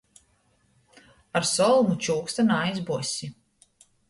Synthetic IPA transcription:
aɾsɔlˠmut͡ʃuːkst̪anajzbusʲi

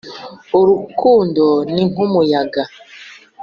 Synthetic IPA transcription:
oɾukundɔni̥umujaɡa

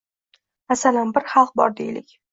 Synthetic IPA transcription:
asalanbɪɾχɑlˠq̚bɒ̰ɾd̪ejlɪkʲ

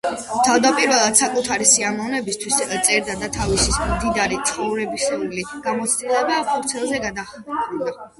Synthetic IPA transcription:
t̪ʰavd̪apʼiɾvɛlˠad̪̥sakʼut̪ʰaɾisiamɔvnɛbist̪ʰwist̪sʼɛɾd̪ad̪at̪ʰavisismd̪id̪aɾit̪sʰχɔvɾɛbisɛuliɡ̥amɔt̪sʰd̪ʼilɛbapʰuɾt̪sʰɛlˠzɛɡad̪aχkʼud̪a

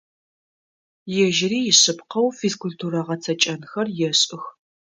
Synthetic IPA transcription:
jɛʒɪɾiːjɪɕɪpqɐwfiskultʰuɾɐʁɐt͡sʰɐt͡ʃʼɐnxɐrjɛɕʼɪx

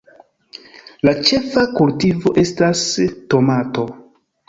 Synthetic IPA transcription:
lat͡ʃe̞fakultivo̞ʔe̞stasto̞mato̞

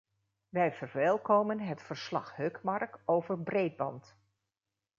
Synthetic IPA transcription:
ʋɛjvəɹʋɛlˠkowmənɦətfəɹslɑ̰χɦøkmɑɹkowvəɹbrejd̚bɑ̰nt

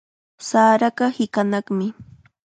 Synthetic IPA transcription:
saːɾaɢɑhɪkanɑχmɪ

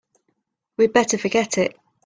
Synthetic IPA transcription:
wibɛtəfəɡɛtʰɪʔ

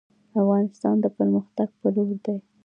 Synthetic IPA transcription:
afɣɑnɪst̪ɑnd̪əpəɾməxt̪aɡ̚pəloɾd̪aj

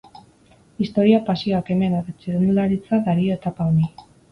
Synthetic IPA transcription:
ist̪o̞ɾiapasiake̞me̞neret͡siɾunulaɾit͡saðaɾioet̪apaoni

